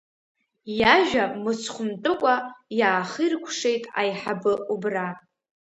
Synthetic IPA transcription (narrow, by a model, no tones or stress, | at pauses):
jaʒᶣamɨsʰχʷʊmtʼɨkʷʼajaːχɨrkʷʰʂe̞jtʼa̰jħabɨʔubra